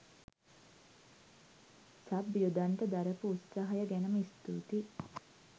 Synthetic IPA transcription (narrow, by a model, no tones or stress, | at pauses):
sabjud̪aɳʈəd̪aɾəpuːt̪saɦɐjəɡænəmist̪ṵːt̪i